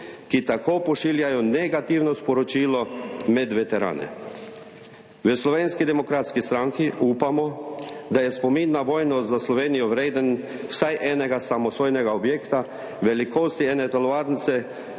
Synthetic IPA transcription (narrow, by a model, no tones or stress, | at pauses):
kit̪akoːpɔʃiːljajɔnɛɡat̪iːwnɔspɔɾɔt͡ʃiːlɔmɛd̪ʋɛt̪ɛɾa̰ːnɛ̰ | ʋəslɔʋeːnskid̪ɛmɔkɾat̪skist̪ɾaŋkiʔuːpamɔd̪ajɛspɔminːaʋɔːjnɔzaslɔʋeːnijɔʋɾeːd̪ənwsajʔɛːnɛɡasamɔsoːjnɛɡaɔbjeːkt̪a | ʋɛlikoːst̪iɛːnɛt̪alɔʋaɾnt̪sɛ